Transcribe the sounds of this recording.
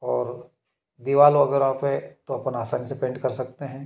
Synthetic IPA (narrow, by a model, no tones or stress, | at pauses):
ɔːɾ | d̪iʋaːloɐɡəɾaːpɦɛt̪oɐpənaːsaːnisepẽːɳɖkɐɾsɐk̚t̪eɦɛ̃ː